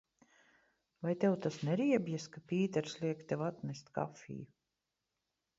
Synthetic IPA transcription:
vajt̪ɛwt̪asnɛɾiɛbʲjɛskapʲiːt̪ɛɾslʲiɛkt̪ɛwat̪nʲɛst̪ʲka̰fʲḭːju

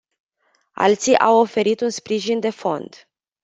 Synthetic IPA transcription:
a̰lt̪siʔawo̞fe̞ɾit̪unspɾiʒind̪e̞fo̞̰nd̪̥

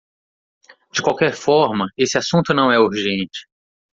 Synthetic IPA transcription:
d͡ʒɪkwawkɛɾfɔɾmɐesɪasũnt̪ʊnɐ̃w̃ɛuɾʒẽnt͡ʃɪ̥

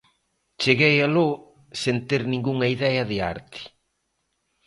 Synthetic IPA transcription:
t͡ʃeɣejalo | sent̪eɾnĩŋɡuŋɐiðɛɐðɪa̰ɾt̪ɪ̥

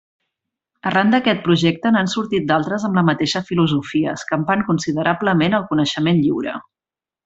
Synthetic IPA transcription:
ərand̪əkɛt̪̚pɾuʒɛk̚t̪ənansuɾt̪it̪̚d̪alˠt̪ɾəzəmbləmət̪eʃəfiluzufiə̰skəmpaŋkunsiðəɾʔabləmenəlˠkunəʃəmenʎiwɾə̰

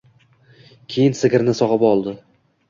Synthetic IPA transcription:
kʲʰejɪnsɪɡʲɪɾnɪsɒʁɨpɒlˠd̪ɪ

